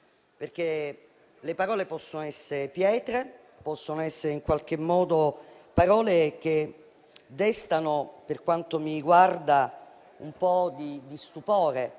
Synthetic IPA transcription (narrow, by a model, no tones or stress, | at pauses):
perk̟e | lepaɾɔːlepɔsːonoɛsːeɾepjɛːt̪ɾe | pɔsːonoɛsːeɾeiŋkwalk̟emːɔːd̪opaɾɔːlek̟e | d̪ɛst̪anoperkwant̪omiɡward̪a | ṵmpɔd̪id̪ist̪upɔːɾe